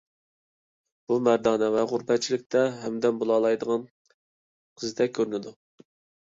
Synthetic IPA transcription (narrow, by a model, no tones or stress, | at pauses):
b̥umæɾd̪ɑːnɛvɛʁuɾpʰɛt̪̚t͡ʃʰilɪk̚ʲt̪ɛɦɛmd̪ɛnbolˠɑːlˠɑjd̪əʁɑn | qʰəzɨd̪ʰɛkʲʰøɾnɪd̪u